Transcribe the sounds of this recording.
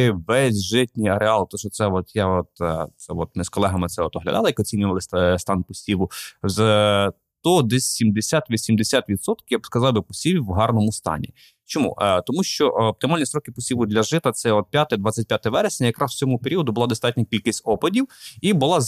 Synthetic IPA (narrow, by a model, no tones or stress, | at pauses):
ʋɛsʲʒɪtʲnʲijɐɾeɑlˠt̪ɔʃɔt̪sɛɔt̪jaɔt̪t̪sɛɔt̪̚mɪskɔlˠɛɦɐmɪtsɛɔt̪ɔɦlʲɐ̰d̪ɑlˠɐjɐkɔt͡sʲinʲʊʋɐlˠɪsʲst̪ɑnpɔsʲiʋʊz | t̪ɔd̪ɛsʲsʲimd̪esʲat̪ʋʲisʲimd̪esʲat̪ʋʲid̪sɔt̪kɪjabskɐzɑwbɪpɔsʲiʋʲiwɦɑrnɔmʊst̪ɑ̰nʲḭ | t͡ʃɔmṵt̪ɔmuʃt͡ʃɔʔːp̚t̪ɪmɑlʲnʲisɾɔkɪpɔsʲiʋʊd̪lʲɐʒɪt̪ɐt̪sɛɔt̪̚pʲjat̪ɛd̪ʋɑt͡sʲːɐt̚ʲpʲjat̪ɛʋɛɾesʲnʲɐjɐkɾɑswt͡sʲɔmʊpeɾʲiɔd̪ʊbʊlˠɑd̪ɔst̪ɑtʲnʲɐkʲilʲkɪsʲtʲɔpɐdʲiwibʊlˠɑ